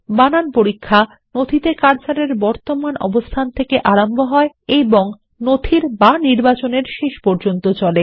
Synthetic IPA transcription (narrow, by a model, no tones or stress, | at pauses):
bananpoɾikʰːa | nod̪ʱit̪ekaɾt͡ɕaɾeɾbɔɾt̪omanɔ̰bost̪ʰant̪ʰekeʔaɾambʱoɦɔe | eboŋ | nod̪ʱʰiɾbaniɾbat͡ɕoneɾʃeʃpɔɾd͡ʑont̪ot͡ɕɔle